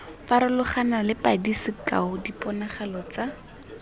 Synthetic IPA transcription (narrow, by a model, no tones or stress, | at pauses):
faɾɪlʊχanalɪpadisɪka̰ʊdipʼɔnaχalɔt͡sa